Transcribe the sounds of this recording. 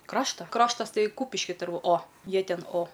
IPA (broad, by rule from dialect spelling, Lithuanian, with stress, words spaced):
ˈkrɑːʃtɐ ˈkrɑːʃtɐs ˈtɐɪ ˈkuːpʲɪʃʲkʲɪ ˈtʊrˈbʊ oː ˈjiɛ ˈtʲɛn oː